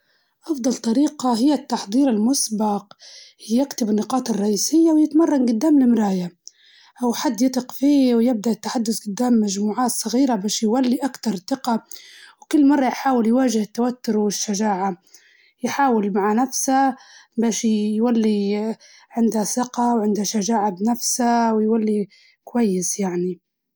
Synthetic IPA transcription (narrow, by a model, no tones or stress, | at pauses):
ʔɑfd̪ˤɑlt̪ˤɑɾiːqɑɦɪjːat̪ːɑħd̪ˤiːɾɪlmʊsbɑqː | akt̪ɪbɪnːɪqɑːt̪ˤɪrˤːɑʔiːsɪjːawjɪt̪mɑrˤːɑnɡʊd̪ːaːmlɪmɾaːja | ʔawħad̪ːjɪt̪ˤɨqfiːwjɪb̚d̪aʔɪt̪ːaħad̪ːʊsɡʊd̪ːaːmːaʒmuːʕaːt̪sˤɑɣiːɾabaːʃjwalːiʔakt̪ɑɾˤθɪqɑwkʊlːmɑrˤːɑjħaːwɪljwaːʒɪhɪt̪ːawat̪ːʊɾwɪʃːaʒaːʕa | jħaːwɪlmaʕanafsabaːʃjwalːi | ʕɪnd̪hasɪqɑwʕɪnd̪haʃaʒaːʕabnafsawɪjwalːi | kwajːɪsjaʕni